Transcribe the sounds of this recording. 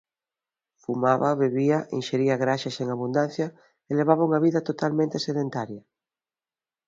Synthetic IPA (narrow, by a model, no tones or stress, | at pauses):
fumaβaβeβiɐʔenʃeɾiɐɣɾaʃaseŋaβ̞und̪an̟θjɐ | eleβ̞aβauŋɐβiðɐt̪ot̪almẽnt̪eseðent̪aɾjɐ